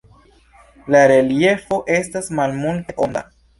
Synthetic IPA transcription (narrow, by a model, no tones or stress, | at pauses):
laɾe̞lie̞fo̞ʔe̞stasmalmulte̞ʔo̞nda̰